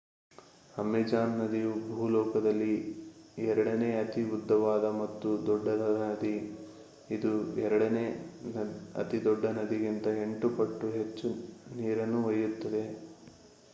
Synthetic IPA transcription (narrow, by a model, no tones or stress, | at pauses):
ɐmid͡ʒaːnːɐd̪ijubʱulɔːkɐd̪ɐlːi | ɛɾɐɽɐneːɐt̪iud̪ʱːɐʋaːd̪ɐmɐt̪ːud̪ɔɖːɐdɐnɐd̪i | id̪uɛɾɐɽɐneː | ɐ̰t̪id̪ɔɖːɐnɐd̪iɡint̪ɐe̞ɳʈupɐʈːuɦe̞t͡ʃːuniːɾɐnːuʋɐjːut̪ːɐd̪e̞